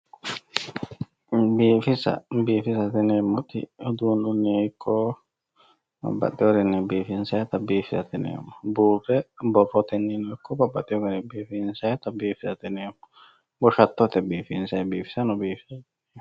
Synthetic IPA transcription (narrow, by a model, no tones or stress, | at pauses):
biːfɪsɐ̰biːfɪsɐt̪ɛneːmːɔt̪ɪ̰ɔd̪uːnunːeɪkʰːɔ | bɐ̰bːɐ̰t̪ʼːɛɔɾɛnːɛbiːfɪnsɐjɛt̪ɐbiːfɪsɐt̪ɪnḛːmːɔbuːrɛbɔfɔt̪ɛnːinɔkʰːɔbɐbːɐt̪ʼːɪɔɡɐnɛbiːfinsɐjɛt̪ɐbiːfɪsɐt̪ɛneːmɔ | bɔʃɐt̪ːɔt̪ɛbiːfɪnsɐbiːfɪ̥sɐnɔbiːfɪ̥sɐtː